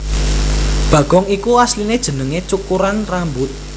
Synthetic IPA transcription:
b̥ä̤ɡ̥ɔŋikuaslined̥ʒ̥ə̤nəŋet͡ʃukuɾanrambʊt̪̚

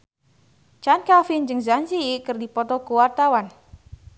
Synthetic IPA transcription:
t͡ʃankafind͡ʒɨŋzansiikɨrdipɔt̪ɔkuwart̪awan

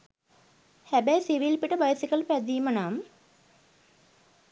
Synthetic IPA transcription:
hæbɛjsiʋilpiʈəbajsikəlpæd̪iːmənam

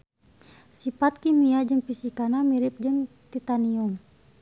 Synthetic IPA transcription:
sipat̪̚kimiad͡ʒɨŋpisikanamiɾip̚d͡ʒɨŋ | t̪it̪anium

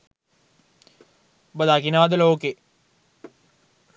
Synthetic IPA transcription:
bəd̪akinaʋad̪əloːke

